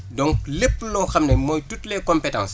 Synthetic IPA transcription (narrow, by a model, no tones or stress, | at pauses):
dɔŋklepːlɔxɐmnɛmɔːjtutlɛkɔmpɛtã̰ns